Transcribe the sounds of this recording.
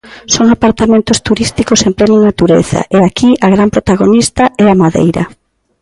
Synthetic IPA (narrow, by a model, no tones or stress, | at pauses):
soŋapaɾt̪amẽnt̪ʊst̪uɾist̪ikosempɾenoŋnat̪uɾḛθɐ̰ʔeakiʔɐɣ̞ɾampɾot̪aɣ̞onist̪ɐɛamaðḛjɾɐ̰